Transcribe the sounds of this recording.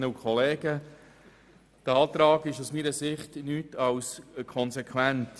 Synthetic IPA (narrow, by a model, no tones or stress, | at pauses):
nəukχɔleːɡə | d̥ɑːt̪ɾɑːɡɪʃusmiːɾəsɪχtnyːtɑwskʰɔnsɛkʰwænt